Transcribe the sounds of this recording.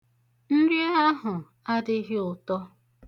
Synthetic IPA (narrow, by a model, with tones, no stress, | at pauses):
n̩˦ɾje˦a˦ɦʊ˨ | a˦dɪ˦ɣɪ˦ʊ˨tɔ˦